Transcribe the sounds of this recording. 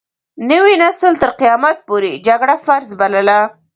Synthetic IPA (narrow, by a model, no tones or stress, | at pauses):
nəwinasəlt̪əɾqijɑmat̪̚poɾed͡ʒaɡɽafaɾzbaləla